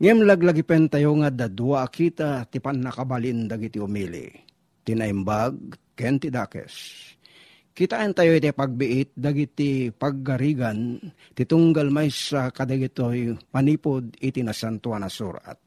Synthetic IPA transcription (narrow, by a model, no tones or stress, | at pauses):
ŋɛmlaɡlaɡipɛnt̪ajoŋad̪ad̪uakit̪at̪ipanːakabalind̪aɡit̪iʊmilḭ | t̪inaimbaɡ̚kɛnt̪id̪akɛ̰s | kit̪aʔɛnt̪ajoit̪ipaɡ̚bɪʔɪt̪̚d̪aɡit̪ipaɡ̚ːaɾiɡan | t̪it̪uŋɡalmajsakad̪aɡit̪ojmaniːpʊd̪it̪inasant̪uanasṵɾʔa̰t̪̚